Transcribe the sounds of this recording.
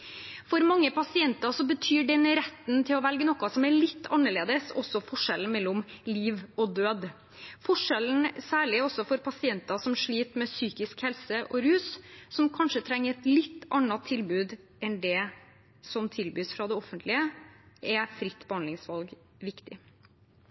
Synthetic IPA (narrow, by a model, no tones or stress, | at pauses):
fɔɾmɑŋːəpʰɑsɪɛnt̪ɑʂɔbət̪ʰyːɖɛnɾɛt̪ːnt̪ʰɪlɔʋɛlɡənɔkɑsɔmæɭɪt̪ːɑ̰nːəɭeːd̪əsɔ̰sɔfɔʂɛln̩mɛlːɔmliːʋɔd̪øːd̪ | fɔʂɛln̩sæːɭɪɔsːɔfɔɾpʰɑsɪɛnt̪ɑsɔmʂɭiːt̪mɛsyːkɪskhɛlsəʔɔɾʉːssɔmkʰɑnʂət̪ʰɾɛŋːəɾɛt̪lɪt̪ːɑnːɑt̪ʰːɪlbʉːd̪ | ɛnd̪ɛ | sɔmt̪ʰɪlbyːsfɾɑd̪ɛɔfənt̪lɪəʔɛfɾɪt̪ːbəhɑnd̪ɪŋsʋɑlɡ | ʋɪkt̪ɪ